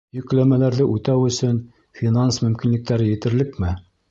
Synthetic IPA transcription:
jɵ̆klæmælæɾðɘʔʉt̪æwɵ̆sɵn | fʲinansmɵ̆mkinlɘ̆k̚t̪æɾɘjɘ̆t̪ɘ̆ɾlɘkmɘ

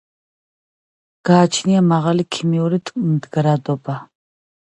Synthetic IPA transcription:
ɡ̥aːt͡ʃʰniamaʁalikʰimiɔɾit̪ʼmd̪ɡɾad̪ɔba

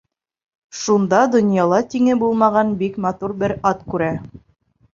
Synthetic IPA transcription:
ʃund̪ɑd̪ŏnjɑlˠɑt̪iŋɘbulˠmɑʁɑnbikmɑt̪uɾbɘɾɑt̪kʉɾæ

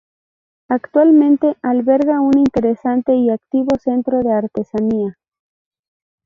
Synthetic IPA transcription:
akt̪walmẽ̞nt̪e̞ʔalβe̞ɾɣaunint̪eɾesant̪eiakt̪iβose̞nt̪ɾoðe̞aɾt̪e̞sania

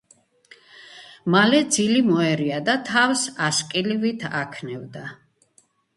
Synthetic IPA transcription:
malɛd̪zilimɔɛɾiad̪at̪ʰavsaskʼilivit̪ʰa̰kʰnɛvd̪a

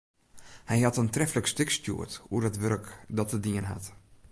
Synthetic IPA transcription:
hɛjhatəntrɛfləkstɪkstjṵətṵəətʋørkdɔtədiənɦa̰t

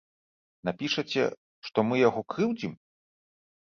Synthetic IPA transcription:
napʲiʂɐt͡sʲɛ̰ | ʂt̪ɔmɨjaɣɔkɾɨwd͡zʲim

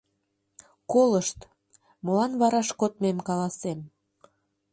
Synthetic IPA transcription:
koləʃt̪ | molɑnβɑɾɑʃkot̪memkɑlɑsem

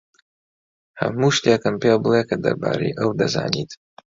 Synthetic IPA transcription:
hɐ̰muːʃt̪ekɨmpebɨlˠekɐd̪ɐ̰ɾbaːɾḛjʔɐwd̪ɐza̰ːnit̪

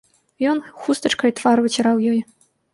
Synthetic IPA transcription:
jɔnxust̪ɐt͡ʂkɐjt̪vaɾvɐt͡sʲɾawjɔj

